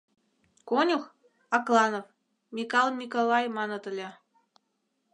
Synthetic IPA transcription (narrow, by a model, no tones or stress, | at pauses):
konʲux | ɑklˠɑnof | mʲikɑlˠmʲikolˠɑjmɑnɤ̆t̪ə̆lʲĕ